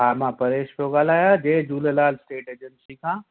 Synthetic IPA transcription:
ɦaːmãːpɐɾeːʃpjoɡaːl̤aːjad͡ʑeːd͡ʒuːlelaːlsʈeːʈeːd͡ʒənsikʰãː

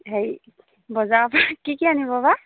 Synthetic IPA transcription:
ɦej | bɔzabakikianibɔba

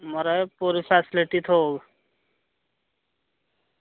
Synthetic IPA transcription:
məɾapuːɾifʰæːsɪliʈit̪ʰoːɡ

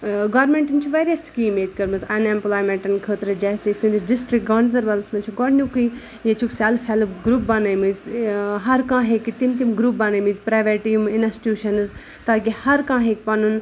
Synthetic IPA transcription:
ɡɔːɾmẽɳʈint͡ʃʰuʋeːɾijɐskiːmeːt̪̚kɐɾmɨzɐnẽmplaːjmẽɳʈɐnkʰəːt̪ɾɨd͡ʒɛːsesɨ̃disɖɪsʈɾik̚ɡɐʋnd̪ɐɾʋɐlsmɐnt͡ʃʰiɡɔɖnʲjukɨ | jet͡ʃʰuksaːlfʰalɡɾuːp̚banajmɨzɦɐɾkãːɦekit̪imt̪imɡɾup̚banajmɨzpɾaːʋeɾʈiːminɐstʈjuːʃɐnɨz | t̪aːkihɐɾkãːɦek̚pɐnun

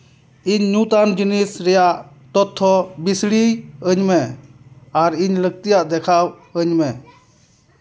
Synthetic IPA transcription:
iɲːut̪and͡ʒinisɾɛjaʔ | t̪ɔt̪ʰːɔbisɽiəɲmɛ | aɾiɲləɡ̚t̪ijaʔd̪ɛkʰaw | əɲmɛ

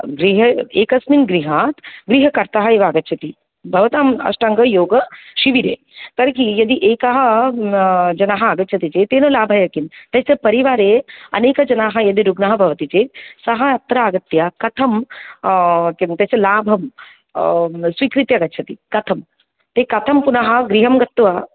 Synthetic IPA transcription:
ɡɾiɦɐeːkɐsminɡɾiɦaːt̪ɡɾiɦɐkɐɾt̪aɦɐeːʋaːɡɐtːʃʰɐt̪i | bʱɐʋɐt̪aːmɐ̰ʃʈaŋɡɐjoːɡɐʃiʋiɾeː | k̪ɐɾkijɐd̪iʔeːkaɦɐ | d͡ʒɐnaːɦɐaːɡɐtːt͡ʃʰɐt̪it͡ʃet̪eːnolaːbʱɐjɐkint̪ɐsɐpɐɾiʋaːɾeɐ̰neːkɐd͡ʒɐnaːɦɐ̆jɐd̪iɾuɡnɐɦɐ̆bʱɐʋɐt̪it͡ʃeːsɐɦɐɐt̪ɾaːɡɐt̪ːjakɐt̪ʰɐm | kt̪ɐsɐlaːbʱɐm | sʋikɾit̪jɐɡɐːt͡ʃʰɐt̪ikɐt̪ʰɐm | t̪eːkɐt̪ʰɐmpunaɦɐ̆ɡɾiɦɐmɡɐt̪ːʋɐ

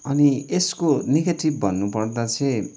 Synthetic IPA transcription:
ʌnieskoneɡeʈibːʱʌnːupʌrd̪at͡sʰʌj

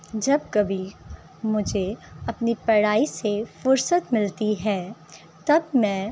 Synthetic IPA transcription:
d͡ʒɐb̚kɐbʱi | mʊd͡ʒʱeɐpnipɐɽaːisefʊɾsət̪mɪlt̪iɦɛː | t̪ɐbmɛ̃ː

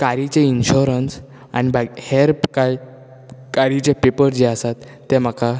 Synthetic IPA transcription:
kaɾit͡ɕeinɕuɾəns | a̰ñibaɡheɾpkaj | kaɾit͡ɕepepəɾd͡ʑeasat̪ːɛm̤aka

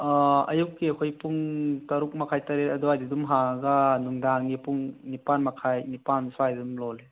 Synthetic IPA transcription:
ɐ̰juk̚ːiɐkʰojpuŋtɐɾuk̚mɐkʰajtɐɾetɐduajdidumɦaŋɐɡɐnuŋdaŋɡipuŋnipanmɐkʰajnipansuajdidumlɔle

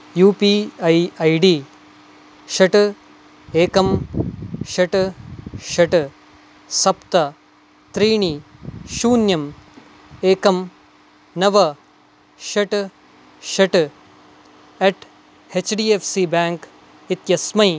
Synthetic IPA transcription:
juːpiːɐjɐjɖiː | ʃɐʈ | eːkɐm | ʃɐʈ | ʃɐʈ | sɐpt̪ɐ | t̪ɾiːɳiʃuːnjɐm | eːkɐm | nɐʋɐ | ʃɐʈ | ʃɐʈ | eʈ | et͡ʃɖiːefʰsibaːŋk | it̪jɐsmɐj

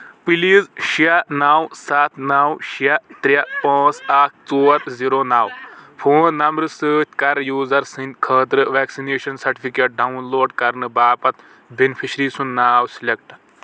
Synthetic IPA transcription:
piliːzʃijanaːwsaːt̪ʰnaːwʃijat̪ɾʲjapãːt͡saːk̚ʰt͡soːɐt̪ʰziːɾoːnaːwpʰoːnːɐmɾɨsəːt̪ʰʲkɐɾjuːzɐɾsĩnd̪kʰəːt̪ɾɨʋeːksineːʃɐnsɐɾʈipʰikeːʈ̚ɖɐunloːɖkɐɾnɨbaːpɐt̪ | benpʰiʃɾiːsunːaːwsilʲek̚ʈ

